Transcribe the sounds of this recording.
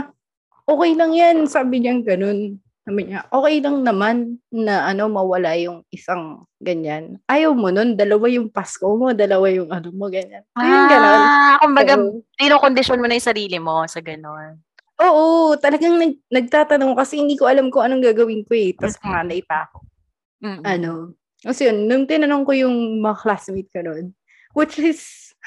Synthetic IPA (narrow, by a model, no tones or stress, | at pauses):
ʔoːkɛjlɐŋjansaːbɪɲaɡɐno̞n | sabɪɲaʔo̞ːkɛjlɐŋnɐmanːɐʔɐno̞mɐwɐlajʊŋʔɪsaŋ | ɡɐɲanʔaːjɐwmono̞nd̪ɐlɐwajʊŋpaskomo̞d̪ɐlɐwajʊŋʔɐnomoɡɐɲanajʊnɡɐnonkʊmbɐɡad̪inoŋkond̪ɪʃonmonɐjʊsɐɾiːlɪmosɐɡɐnon | ʔoːʔot̪ɐlɐɡaŋnɐɡ̚nɐɡ̚t̪aːt̪ɐnoŋokɐsɛhɪnd̪iːkoʔɐlamkoʔɐnoŋɡaːɡɐwɪnkoɛt̪ɐsmɐŋanɐʔɪpa̰ːko̞̥ | ʔɐno̞ | kɐsjonːʊŋt̪ɪnɐnoŋko̞jʊŋmɐŋɐklasmit̪̚kɐnon | wɪt͡ʃɪs